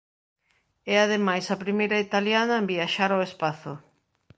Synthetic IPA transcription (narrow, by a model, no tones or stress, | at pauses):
ɛaðemajsɐpɾimejɾɐit̪aljanɐembiaʃaɾoespaθʊ̰